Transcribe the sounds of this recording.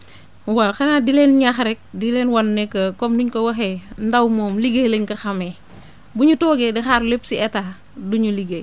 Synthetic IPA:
waxɐnaːdilɛːnɲaxɾɛk̚dilɛnwɐnːɛkɐkɔmduɲkɐwɐxɛndawmɔːmliɡeleɲkɐxɐmɛ | buɲutɔːɡɛdixaːɾlepsiɛta | duɲuliɡe

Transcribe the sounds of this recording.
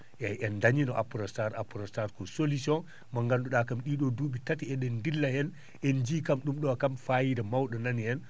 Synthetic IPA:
jajʔɛndaɲinɔʔapɾɔstaɾapɾɔstaɾkɔsolisiɔn | maŋɡanduɗakamɗiɗɔduːɓitatiɛɗɛndilːahɛn | ʔɛnd͡ʒiːkamɗumɗɔakamfajiɾɛmawɗɔnanhɛn

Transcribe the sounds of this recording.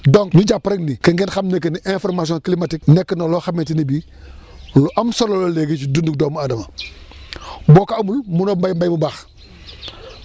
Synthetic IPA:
doŋknuɟapːɾeŋnikɐŋɡenxamnek̬eniʔẽfoɾmas̬iõŋklimatik̚nɛkːnoloxametinibi | loʔamsolololeɡet͡ʃidunduk̚doːmadɐma | boːkaːmulmunombajmbajmubax

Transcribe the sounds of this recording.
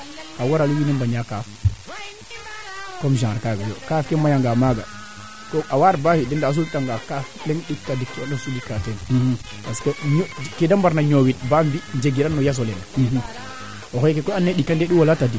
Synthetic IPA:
kawaɾaluwinɛndaɲakaf | komʒaŋɾkaːɡajo̰kafkɛmajaŋɡamaɡa | koawaɾbahidɛndaːs̬ultaŋɡakaflɛŋɗitadikːnasulikaten | baskoɲokedambaɾnaɲowit̚bambind͡ʒeɡiɾanːojas̬olɛnah | ohɔjkekɔanːeɗikːandeɗiwolatadik

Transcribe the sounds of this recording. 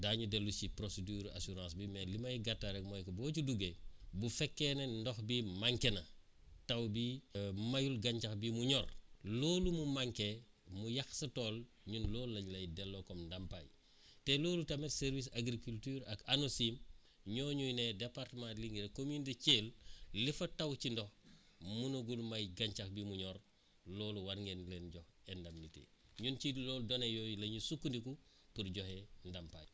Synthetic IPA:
daːɲudɛlːusipɾosedyːɾa̰suɾãːsbimɛlimɐjɡatːaɾɛk̚mɔjkɐbɔːcuduɡebufɛkːɛnendɔxbimaŋkenɐ | tɐwbimɐjulɡɐɲt͡ʃɐxbimuɲɔrloːlumumaŋke | mujɐxsɐtɔːl | ɲunlɔːlːɐɲlɐjdɛlːokɔmndampa̰j | teloːlutɐmeseɾvis̬aɡɾikultyːɾakanosim | ɲoːɲujnedepaɾtmãntliŋɡiɾekomuniteceːllifɐtawcindɔh | munuɡulmajɡaɲt͡ʃakbimuɲɔɾ | loːluwaɾŋɡenlenɟɔhendamnitḛɲunt͡ʃiloːdonejojlɐɲusukːundiku | puɾɟohendampa̰j

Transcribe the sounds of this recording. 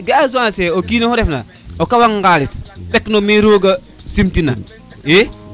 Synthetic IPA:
ɡeazuaseokinohoɾefna̰ | okawaŋɡalisɓeknomiɾoːɡa | simtina̰ | e

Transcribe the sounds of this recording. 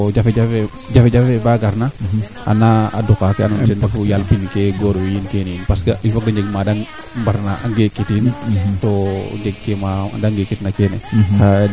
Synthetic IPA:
d͡ʒafed͡ʒafe | d͡ʒafed͡ʒafebaɡaɾna | a̰nːaa̰dukakeanuntendafujalpinkeɡoɾwijinkeninpaskaʔifak̚daɲd͡ʒeɡmadaŋ | mbaɾnaa̰ŋɡekitintoɲd͡ʒeɡ̚kema̰daŋɡekitnakeneka

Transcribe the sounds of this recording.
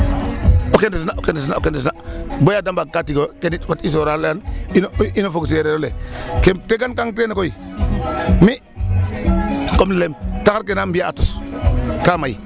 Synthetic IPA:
okentisnaʔokentis̬naokentisnabojadambakatiɡokenit͡ʃpatis̬oɾaljanininofokseɾeɾolekemtekankaŋtenikoi | mi | komnilemtakaɾk̬enambiaːtuskamai

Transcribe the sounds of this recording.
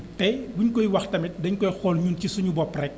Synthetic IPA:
tɛbuɲkɔjwɐxtɐmɛt̚dɐɲkɔjxɔːlɲuːncisuɲubɔpːrɛk̚

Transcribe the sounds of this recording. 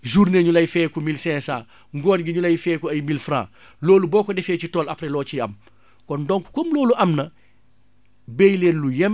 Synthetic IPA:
ʒuɾneːɲulɐjfɛːkumilsɛ̃ːsa̰ː | ŋɡɔːnɡiɲulɐjfɛːkuɐjmilfɾã̰ː | loːlubɔːkɔdɛfeːcitɔːlɐpɾelɔːt͡ʃiɐ̰m | kɔndɔŋku̥komloːluʔɐmnɐ | bejleːnlujɛm

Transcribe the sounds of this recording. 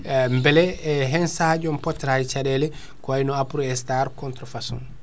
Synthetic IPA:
mbɛlɛɛɦɛnsad͡ʒɔmpɔtːɾajt͡ʃaɗɛlɛ | kɔajnɔapuɾɔɛstaɾkɔntɾɔfasɔ̰n

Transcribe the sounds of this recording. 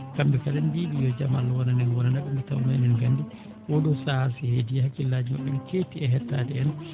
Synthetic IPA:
kambɛkalɛndibijɔd͡ʒamalːawɔnanɛnwɔnandaɓɛmbɛtawamajnɛnɡandi | wɔɗɔsasɛhedihakːilːaːd͡ʒima̰ɓːɛnkeːtiɛɦɛtːaːdɛɛn

